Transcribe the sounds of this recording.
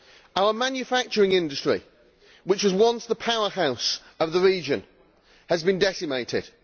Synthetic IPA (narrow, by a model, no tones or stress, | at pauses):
aʊəmãnjɨfak̚t͡ʃəɹɪ̃ŋɪ̃ndəstɹ̥ḭ | wɪt͡ʃwɒzwʌ̃nsðəpʰaʊəhaʊs | əvðəɹiːd͡ʒə̃n | əzbɨ̃ndɛsɪmeɪtʰɪd̥